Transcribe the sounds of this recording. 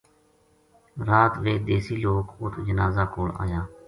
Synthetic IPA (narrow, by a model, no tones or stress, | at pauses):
ɾaːt̪ʋeːd̪eːsiːloːkʊt̪ʰd͡ʒənaːzaːkoːɽa̰ːjaː